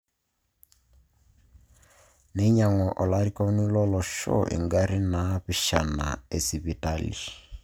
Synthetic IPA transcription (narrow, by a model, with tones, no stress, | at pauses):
nɛ˦ɲa˨ŋɔ˨ʔɔ˨la˦ɾi˦ka˦ni˦lɔ˦lɔ˨ʃɔ̰˦ʔḭ˨ŋɡa˦ɾi˦na˨˦βi˨ʃa̰˨na̰˨e˨si˨βi˨ta˦lḭ˨